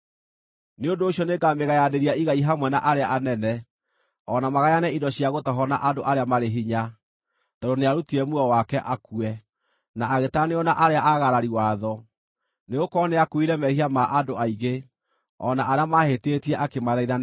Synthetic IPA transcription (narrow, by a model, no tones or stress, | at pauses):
neondoːɕiɔnekameɣajadeɾiaiɣaiɦamwɛna̰ʔaɾeaʔanɛnɛ | ɔnamaɣajanɛidɔɕiaɣotɔɦɔna̰ʔadoʔaɾeamaɾeɦiɲa | taɾoneaɾutiɛmuɔwakɛʔakuɛ | naːɣetaneɔnaʔaɾeaʔaɣaɾaɾiwaðɔ | neɣokɔneakwiɾɛmɛhiamaʔandoaiɣe | ɔ̰naʔaɾeamahetetiɛʔakemaðaiða